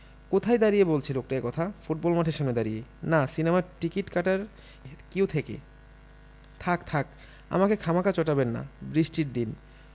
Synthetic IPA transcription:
kot̪ʰajd̪aɾijebolt͡ɕʰilok̚ʈaekɔt̪ʰafuʈ̚bɔlmaʈʰeɾʃamned̪aɾijḛnasinemaʈikiʈkaʈaɾ | kiwt̪ʰekḛ | t̪ʰakt̪ʰak | a̰makekʰamakat͡ɕɔʈabenːa̰bɾiʃʈiɾd̪in

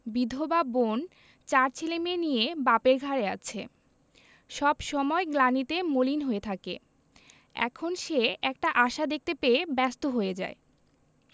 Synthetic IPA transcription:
bid̪ʱobabon | t͡ɕaɾt͡ɕʰelemenijebapeɾɡʱaɾeat͡ɕʰe | ʃɔbʃɔmɔeɡlanit̪emolinɦoet̪ʰakḛ | ɛ̰kʰonʃeɛk̚ʈaʔaʃad̪ek̚t̪epeebɛst̪oɦoed͡ʑa̰e

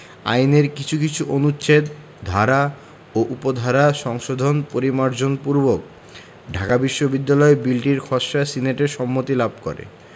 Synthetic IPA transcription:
a̰jneɾkit͡ɕʰukit͡ɕʰuʔonut͡ɕʰed̪ | d̪ʱaɾa | oʔupod̪ʱaɾaʃɔŋʃod̪ʱonpoɾimaɾd͡ʑonpuɾbok̚ | ɖʱakabiʃːobid̪ːalɔebilʈiɾkʰɔʃːasineʈeʃɔmːot̪ilab̚ʱkɔ̰ɾḛ

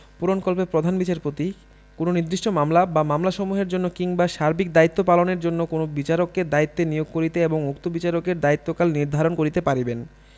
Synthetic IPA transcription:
puɾonkolpepɾod̪ʱanbit͡ɕaɾpot̪i | kononid̪ɾiʃʈomamlabamamlaʃɔmuɦeɾd͡ʑonːokiŋbaʃaɾbik̚d̪ait̪ːopaloneɾd͡ʑonːokonobit͡ɕaɾokːed̪ait̪ːenijoɡ̚koɾit̪eeboŋuk̚t̪obit͡ɕaɾokeɾd̪ait̪ːokalniɾd̪ʱaɾonkoɾit̪epaɾiben

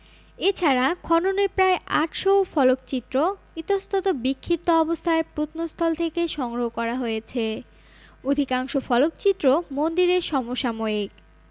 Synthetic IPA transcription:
et͡ɕʰaɾakʰɔnonepɾaeʔaʈʃowfɔlokt͡ɕit̪ːɾo | it̪ost̪ʰot̪obikʰːip̚t̪oɔbost̪ʰaepɾut̪ʰnost̪ʰɔlt̪ʰekeʃɔŋɡɾoɦokɔɾaɦojet͡ɕʰe | od̪ʱikaŋʃofɔlokt͡ɕit̪ːɾomond̪iɾeʃɔmoʃamoik

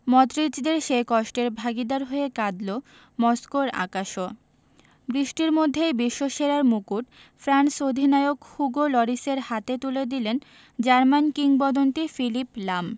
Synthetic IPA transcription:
mɔt̪ɾid͡ʑd̪eɾʃekɔʃʈeɾbʱaɡid̪aɾɦoekad̪lo | mɔskoɾa̰kaʃo | bɾiʃʈiɾmod̪ʱːebiʃːoʃeɾaɾmukuʈ | fɾansod̪ʱinaeokhuɡolɔɾiseɾhat̪et̪uled̪ilen | d͡ʑaɾmankiŋbɔd̪ont̪ifiliplam

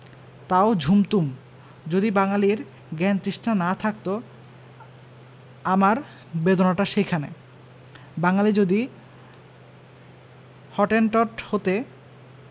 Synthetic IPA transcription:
t̪aod͡ʑʱumt̪um | d͡ʑod̪ibaŋaliɾ | ɡɛnt̪ɾiʃʈanat̪ʰak̚t̪o | amaɾ | bed̪onaʈaʃekʰanḛ | baŋalid͡ʑod̪i | hɔʈenʈɔʈhot̪e

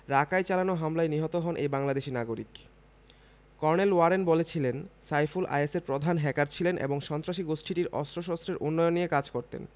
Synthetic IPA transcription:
ɾakajt͡ɕalanoɦamlajniɦɔt̪oɦɔnʔejbaŋlad̪eʃinaɡoɾḭk | kɔɾnelwaɾenbolet͡ɕʰilensajfulʔa̰jeseɾpɾod̪ʱanɦɛkaɾt͡ɕʰilenʔḛboŋʃɔnt̪ɾaʃiɡoʃʈʰiʈiɾɔ̰st̪ɾoʃɔst̪ɾeɾʔunːɔjonːiekad͡ʑkoɾt̪ḛn

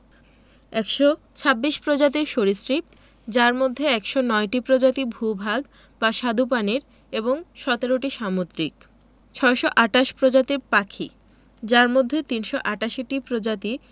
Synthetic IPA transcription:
ɛkʃɔ | t͡ɕʰabːiʃpɾod͡ʑat̪iɾʃoɾisɾip̚ | d͡ʑaɾmod̪ʱːeɛkʃɔnɔeʈipɾod͡ʑat̪ibʱubʱaɡ | baʃad̪up̬aneɾ | eboŋʃɔt̪eɾoʈiʃamot̪ɾik̚ | t͡ɕʰɔeʃɔʔaʈaʃpɾod͡ʑat̪iɾpakʰḭ | d͡ʑaɾmod̪ʱːet̪inʃɔʔaʈaʃiʈipɾod͡ʑat̪i

